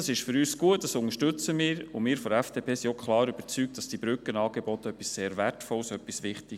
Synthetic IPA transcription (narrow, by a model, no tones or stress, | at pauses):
ɑsɪʃfʏɾyːsɡ̥uət̚d̥ɑsʊŋəʃtʏt͡səmɪːɾʊmɪːɾfɔɾɛfd̥eːpʰeːsiokχlɑːɾyb̥əɾt͡syːk̚t̚d̥ɑsd̥ibɾʏkənɑːɡ̥ebɔtəœpːisːeːɾvɛrtfɔlsœpːisʋɪχti